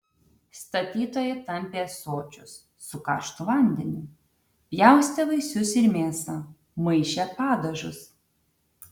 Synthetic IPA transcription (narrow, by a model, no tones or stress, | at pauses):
st̪ɐt̪ʲiːt̪oːjɛt̪ɐmʲpʲeːsoːt͡ʃʲʊsː | ʊkɑ̰ːʃt̪uʋɐnʲd̪ʲɛnʲɪ | pʲjæˑʊsʲt̪ʲɛʋɐɪsʲʊsɪɾmʲeːsɑ | mɐɪʃʲepɑːd̪ɐʒʊs